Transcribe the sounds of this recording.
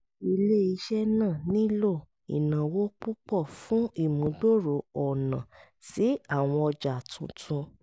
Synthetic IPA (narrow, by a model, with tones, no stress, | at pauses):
i˧le˦i˧ʃɛ˦nãː˦˨nĩ˦lo˦˨ | ḭ˨nã˨wo˦k͡pu˦k͡pɔ˦˨fũ˨˦i˦˨mũ˨˦ɡ͡bo˦˨ɾo˨ɔ˨nã˨ | si˨˦a˦˨w̃ɔ̃˧ɔ˧d͡ʒa˨tʰũ˨˧tʰũ˧